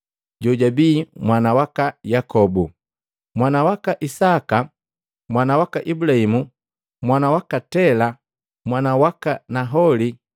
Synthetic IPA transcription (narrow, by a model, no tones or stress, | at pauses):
ɟɔɟabiːmwanawakajakɔbu | mwanawakaʔisaka | mwanawakaʔibulahimu | mwanawakatɛla | mwanawakanaɦɔli